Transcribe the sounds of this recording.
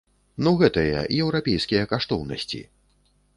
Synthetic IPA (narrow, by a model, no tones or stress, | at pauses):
nuɣɛt̪ɐjɐ̰jɛwɾapʲɛjskʲijɐkaʂt̪ɔwnɐ̰sʲt͡sʲḭ